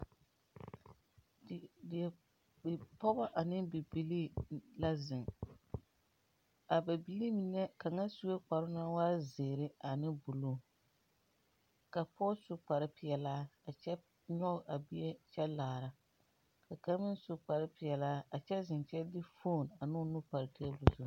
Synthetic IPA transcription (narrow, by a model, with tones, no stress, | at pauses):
dɪ˨ɛ˨ | bɪ˨pɔ˦bɔ˦ʔa˨nɪ˦bɪ˨bi˨li˦la˦zɪ˨ŋ | a˨ba˨bi˨li˦mi˨nɛ˦ka˨ŋa˦su˦e˦k͡pa˨ɾʊ˦na˦waː˦zeː˨ɾɪ˦a˨nɪ˦bu˨lo˦ | ka˨pʰɔ˦sʊ˦k͡pa˨ɾɪ˦pɪ˨jɛ˨laː˦a˨t͡ʃɛ˦ | ɲɔ˦˨a˨bɪ˦ɛ˦t͡ʃɛ˦laː˨ɾa˨ | ka˨ka˦ɾmɪ˦n˦sʊ˨k͡pa˨ɾɪ˦pɪ˨ɛ˨laː˦a˨t͡ʃɛ˦zɪ˨nt͡ʃɛ˦dɪ˦fo˦˨na˨nʊ˦nʊ˦pa˨ɾɪ˨kʰɛ˦ɛ˦bu˨zu˨